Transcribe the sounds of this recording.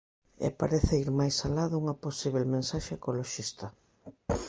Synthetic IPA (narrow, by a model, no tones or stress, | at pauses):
ɛ̰paɾeθeiɾmajsalaðʊuŋɐposiβelmẽnsaʃeekoloʃist̪ɐ